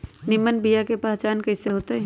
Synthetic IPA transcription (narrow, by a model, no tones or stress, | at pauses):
nɪmːənbijakepaːt͡ʃaːnkɐɪseɦoːt̪eɦɛ̃